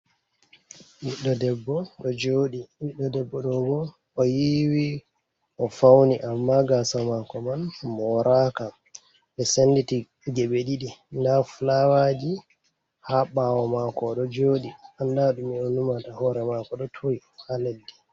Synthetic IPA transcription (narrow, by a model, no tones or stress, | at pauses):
ɓiɗːɔdɛbːɔɗɔd͡ʒoɗiwiɗːɔdɛbːɔɗɔbɔ | ʔɔjiwi | ʔɔfawniʔamːaɡasamakɔmanmɔɾʔaka | ɓɛsenditi | ɡɛɓeɗiɗindafulawad͡ʒi | haɓawɔmakɔɗɔd͡ʒoːɗiandaɗumːiɗɔnumatahɔɾɛmakɔɗɔtʰoi | haledːi